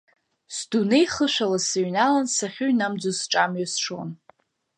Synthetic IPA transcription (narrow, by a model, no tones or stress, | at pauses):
sdunejχəʃʷᶣalasaɥnalansaχʲʊɥnamd͡zosʈ͡ʂʼamɥasʈ͡ʂʰo̰n